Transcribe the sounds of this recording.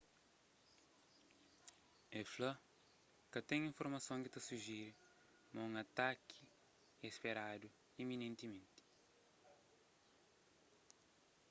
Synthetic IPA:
ɛflɐ | kɐt̪ɛ̃ŋĩɱfoɾmɐsõŋkit̪ɐsuʒiɾ | mɐũŋɐt̪akʰi̥ | espeɾad̪u | iminẽnt̪imẽnt̪i̥

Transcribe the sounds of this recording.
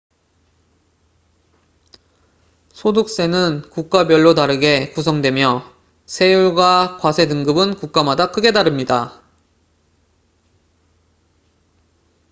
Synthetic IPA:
sʰoduk̚s͈e̞nɯnkuk̚k͈abjʌɭːotaɾɯɡe̞kus̬ʰʌŋdwe̞mjʌ | sʰe̞juɭɡwakwasʰe̞dɯŋɡɯbɯnkuk̚k͈amadakʰɯɡe̞daɾɯmɲida

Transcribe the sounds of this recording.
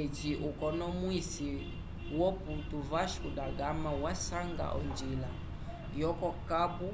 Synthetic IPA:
et͡ʃiʔukɔnɔmwisi | wɔputuvaʃudaɡamawasaŋɡa̰ʔɔ̰nd͡ʒila̰ | jɔkɔkabu

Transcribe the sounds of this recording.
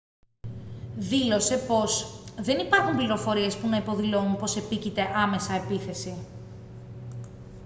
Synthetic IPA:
ðilo̞se̞po̞sðe̞nipɐɾxumpliɾo̞fo̞ɾie̞spunɐipo̞ðilo̞unpo̞se̞picit̪e̞ʔɐme̞sɐe̞piθe̞si

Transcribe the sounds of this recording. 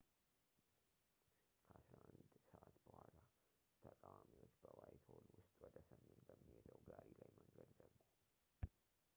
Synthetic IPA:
kʰəʔasɾaʔand̪səʔat̪bəhʷala | t̪ʰəkʼawamiwot͡ʃːbəwajt̪ʰholwʊst̪ʼwɔd̪əsəmːenbəmːihed̪əwɡaɾilajməŋɡəd̪ɡəd̪u

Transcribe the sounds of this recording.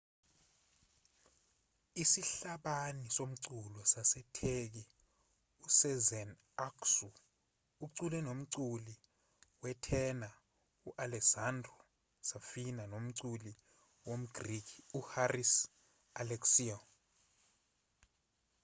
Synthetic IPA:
isiɬaɓanisom̩ǀulɔsasɛtʰek̬i | usɛzɛn | aksu | uǀulɛnom̩ǀuli | wɛtʰɛna | uʔalɛksandrɔ | safinanom̩ǀuli | wom̩ɡ̥rikʰiuharis | alɛksiɔ

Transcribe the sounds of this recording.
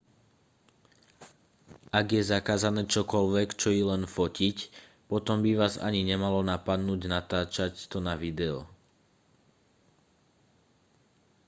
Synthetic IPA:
ʔaɡjɛzakaːzanɛːt͡ʃɔkɔlʋɛkt͡ʃɔjilɛnfɔcic | pɔt̪ɔmbiʋaːza̰ɲiɲɛmalɔnapad̪nuːɟnat̪aːt͡ʃact̪ɔnaʋid̪ɛɔ̰

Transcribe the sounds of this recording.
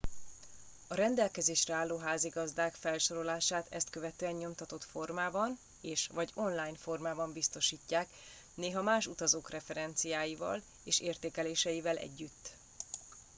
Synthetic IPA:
ɒɾɛnd̪ɛlkɛzeːʃrɛaːlːoːɦaːziɡɒzd̪aːkfɛlʃo̞ɾo̞laːʃaːt̪ɛ̰st̪̚køvɛt̪øːɛɲːo̞mt̪ɒt̪o̞t̪fo̞rmaːbɒn | eːʃvɒɟo̞nlaːjnfo̞rmaːbɒmbist̪o̞ʃiːcːaːk | neːɦɒmaːʃut̪ɒzoːkrɛfɛɾɛnt̪sijaːjivɒ̰l | eːʃeːrt̪eːkɛleːʃɛjivɛlʔɛ̰ɟːyt̪ː

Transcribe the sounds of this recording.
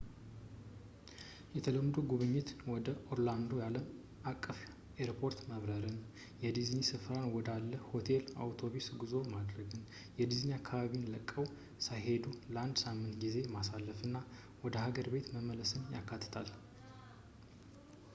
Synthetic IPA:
jɛt̪ʰələmːd̪uɡuβɨɲːɪt̪wɔd̪əʔoɾland̪o̞jaləm | ʔakʼːɨf | eɾpʰo̞ɾt̪məβɾəɾɨn | jɛd̪iznisɨfɾanwɔd̪alːəho̞t̪ʰe̞la̰wt̪ʰo̞βisɡɨzo̞mad̪ɾəɡɨn | jɛd̪izniakʰːaβaβinləkʼːəw | sajɦe̞d̪uləand̪samːɨnt̪ɡize̞masalːəfɨnːa | wɔd̪əhaɡəɾbe̞t̪məmələsɨnjakːat̪ʰːɨ̥t̪ʰal

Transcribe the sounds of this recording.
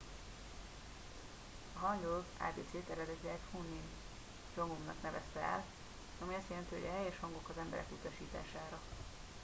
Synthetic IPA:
ɒɦɒnd̪olva̰ːbḛːt̪seːt̪ɛɾɛd̪ɛt̪lɛɛt̪hunːin | d͡ʒoŋumnɒ̰knɛvɛst̪ɛɛ̰l | ɒmiɒst̪jɛlɛnt̪iɦoɟɒɦɛjɛʃhɒŋɡo̞kɒzɛmbɛ̰ɾɛ̰kut̪ɒʃiːt̪a̰ːʃaːɾɒ

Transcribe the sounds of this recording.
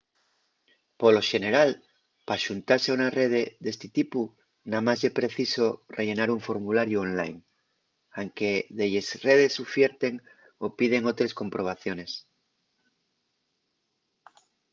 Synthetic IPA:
polo̞ʃe̞ne̞ɾal | paʃunt̪aɾseaunare̞ð̞eðe̞st̪et̪ipu | namazʝepɾe̞θisorʔeʝe̞naɾuɱfo̞ɾmulaɾjuonla̰jŋ | aŋke̞ðeʎesre̞ð̞e̞sufjeɾt̪e̞ŋ | opið̞eŋot̪ɾe̞sko̞mpɾo̞β̞aθjo̞ne̞s

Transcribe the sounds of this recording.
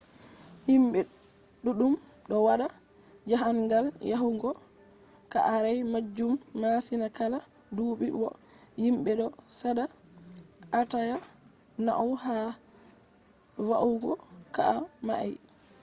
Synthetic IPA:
himɓɛɗuɗumɗɔwaɗad͡ʒaɦanɡaljaɦuɡɔ | ka̰ʔaɾajmad͡ʒumːasinakaladuːɓiwɔ̰himɓɛɗɔsada | ʔːtajana̰ʔɔwha | vaʔuɡɔka̰ʔama̰ʔa̰j

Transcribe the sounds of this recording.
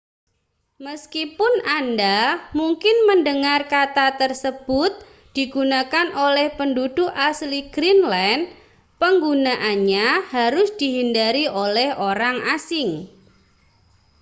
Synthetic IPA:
məskipʊnandamuŋkɪnməndəŋarkat̪at̪ərsəb̥ʊt̪̚ | d̪̥iɡ̥unakanʔolɛhpəndud̥ʊʔʔasliɡ̥ɾinlɛn | pəŋɡunaʔanɲahaɾʊsd̥iɦindaɾiʔolɛhoɾaŋasɪŋ

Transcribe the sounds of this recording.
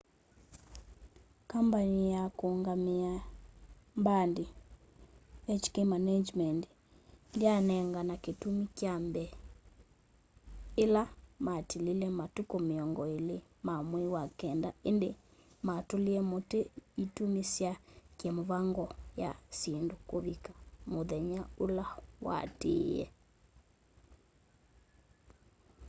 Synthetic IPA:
kambanijakoːŋɡamia | mbandi | ɛt͡ʃkemanad͡ʒmɛnd | ndianɛŋɡanaketumikjambɛ | elamatililɛmatukomeɔŋɡɔelemamwewakɛndaendematoliɛmoteitumesjakjamoβaŋɡɔja̰sendokoβikḁmoðɛɲaolawa̰tḛjɛ̰

